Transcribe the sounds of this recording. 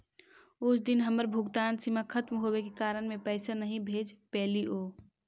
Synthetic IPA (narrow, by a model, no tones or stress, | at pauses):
ut͡ʃʰd̪inɦəməɾbʱʊɡt̪ansimakʰət̪mɦobekekaɾənmepəɪsanəɦĩbʱed͡ʒpɛːliʔo